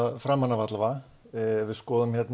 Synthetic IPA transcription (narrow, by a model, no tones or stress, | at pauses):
fɾamːanːavat̪lava | vɪðskɔːðʏmçɛt̪n